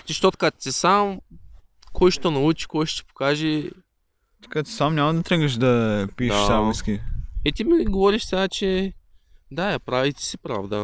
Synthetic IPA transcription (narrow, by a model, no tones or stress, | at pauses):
t̪iʃt̪ot̪kat̪sisam | kɔjʃt̪onɐut͡ʃi̥kɔjʃt̪t̪ɛ̥po̥kaʒɛ | t̪ɐ̥kat̪samnʲɲʲamɐd̪ɐt̪ɾɛɡəʃ̬d̪ɐpiʃsamiskʲiɛt̪imiɡovɔɾiʃsɛɡat͡ʃɛ | d̪ajapɾavit̪ɛ̥sipɾa̰vd̪ə̰